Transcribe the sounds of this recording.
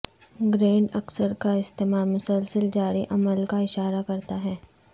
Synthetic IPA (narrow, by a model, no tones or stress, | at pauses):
ɡɾẽːɳɖɐksəɾkaɪst̪eːmaːlmʊsəlsəld͡ʒaːɾiʔɐməlkaɪʃaːɾakɐɾt̪aɦɛː